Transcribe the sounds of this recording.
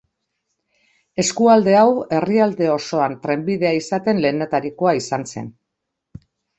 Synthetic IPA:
e̞skuald̪e̞awe̞riald̪e̞o̞so̞ant̪ɾe̞mbiðe̞aisat̪e̞nle̞ːnet̪aɾiko̞aisanse̞̰n

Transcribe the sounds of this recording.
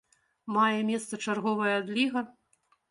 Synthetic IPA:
majɛmʲɛst̪sɐt͡ʂarɣɔvɐjɐːd̪lʲiɣɐ

